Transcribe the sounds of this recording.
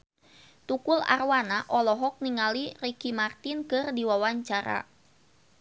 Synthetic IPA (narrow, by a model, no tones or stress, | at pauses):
t̪ukula̰rwanaʔɔlɔɦɔk̚niŋalirikimart̪inkɨrdiwawaɲt͡ʃaɾa̰